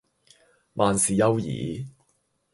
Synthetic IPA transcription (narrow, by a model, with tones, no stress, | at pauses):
mʔaː˨nsiː˨jɐ˥wjḭː˨˦